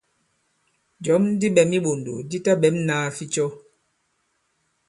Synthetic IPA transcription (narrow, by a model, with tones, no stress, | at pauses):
d͡ʒɔ˨˦m˦di˦ɓɛ˨mi˦ɓo˨ndo̰˨di˦ta˦ɓɛ˨˦mnaː˦fi˦t͡ʃɔ˦